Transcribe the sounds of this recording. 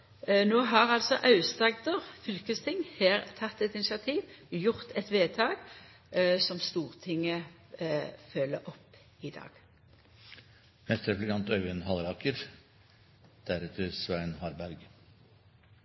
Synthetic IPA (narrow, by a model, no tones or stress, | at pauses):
noːɦɑʁɑlsɔʔɑʉst̪ɑɡd̪əʁfʏlkəst̪ʰɪŋheːʁt̪ʰɑt̪ːɛt̪ɪnɪsɪɑt̪ʰiːʋjʊʁt̪ʰɛt̪ʋeːt̪ʰɑːɡ | sɔmst̪uːʁt̪ʰɪŋːə | fœːləɔpː | ɪd̪ɑ̰ːɡ̥ | mɛst̪ɾɛplɪkʰɑnt̪œʉɛnhɑlɾɑːkəɾ | d̪̥æɾɛt̪ʰəɾsʋæɾnhɑɾbæɾɡ